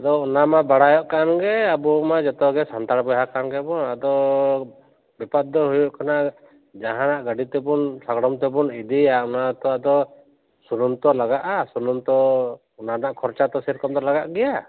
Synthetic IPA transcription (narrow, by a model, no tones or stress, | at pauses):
ad̪ɔunamabaɽajɔʔkanɡɛabumad͡ʒɔt̪ɔɡɛsant̪aɽbɔɦakanɡɛbɔnad̪ɔ | bipad̪ːɔɦujuʔkanaʔ | d͡ʒaɦãnaʔɡaɖit̪ɛbunsaɡɽɔmt̪ɛbunid̪iaunat̪ɔad̪ɔ | sununt̪ɔlaɡaʔasununt̪ɔ | ɔnanaʔkʰɔɾt͡ʃat̪ɔsiɾkɔmd̪ɔlaɡaʔɡɛja